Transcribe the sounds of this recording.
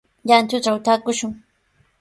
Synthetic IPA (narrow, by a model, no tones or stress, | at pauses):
jant̪ʊʈ͡ʂawt̪aːkʊʃʊŋ